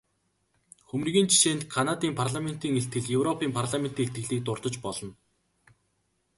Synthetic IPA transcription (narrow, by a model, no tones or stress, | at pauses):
xɵmnɣʲiːnt͡ɕʰi̥ʃeːnt̪kʰanat̪iːmpʰarɮamen̥t̪iːŋeɬt̪̚ɡɘ̆ɮjɵwrɔpʰiːmpʰarɮament̪iːŋet̪ɡɘ̆ɮiːk̚t̪ʊrt̪ɞ̆t͡ɕpɔɮɞ̆n